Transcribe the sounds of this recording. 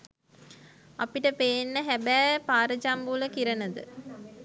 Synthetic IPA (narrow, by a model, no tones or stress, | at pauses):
apiʈəpejːnːəɦæbæːpaːɾəd͡ʒambuːləkiɾənəd̪ɨ̰